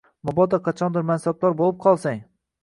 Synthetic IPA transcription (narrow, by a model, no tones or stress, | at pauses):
mɒbɒd̪aqʰɑt͡ʃʰɒnd̪ɪɾmansab̚laɾbolˠɪp̚qʰɒlˠsaŋ